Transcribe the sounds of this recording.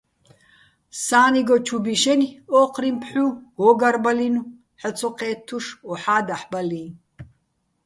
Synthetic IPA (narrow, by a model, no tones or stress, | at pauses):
saːniɡɔt͡ʃʰubiʃɛnɔqʰrimpʰħuhɔɡarbalinu | ħɔt͡sʰɔqʰɛːt̪ʰːuʂɔħaːd̪aħbalin